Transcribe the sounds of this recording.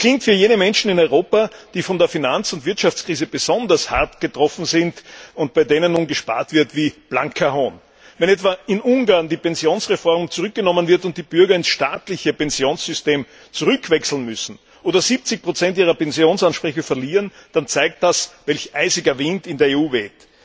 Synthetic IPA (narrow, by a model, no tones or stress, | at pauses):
kʰl̥ɪŋk̚tfyːɐjeːnəmɛnʃn̩ɪnɔʏʁoːpad̥iːfɔndeːɐfinant͡sʊntv̥ɪɐtʃaft͡skʁ̥iːzəb̥əz̥ɔndɐsha̰ɐtɡ̥ətʁ̥ɔfn̩zɪntʊnt̚b̥aɪdeːnənːuːnɡəʃpa̰ːɐtv̥ɪɐtviːb̥la̰ŋkʰahoːn | vɛnɛtv̥aɪnʔʊŋɡaɐndiːpɛnzjoːnsʁefɔɐmt͡suʁʏk̚ɡ̥ənɔmənvɪɐtʊnt̚d̥iːb̥ʏɐɡɐɪnsʃtaːtlɪçəpɛnzjoːnsz̥ʏsteːm | t͡suʁʏkʰv̥ɛksl̩n̩mʏsn̩ | ʔoːdɐziːp̚t͡sɪçpʁ̥ot͡sɛntʔiːʁ̞ɐpɛnzjoːnsanʃpʁ̥ɛçofɛɐliːʁənd̥ant͡saɪk̚t̚d̥asvɛlçʔaɪzɪɡɐvɪntɪndeːɐeːuːvɛːt